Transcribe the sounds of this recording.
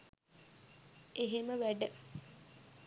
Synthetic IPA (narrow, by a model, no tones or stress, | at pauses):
eɦeməʋæɖə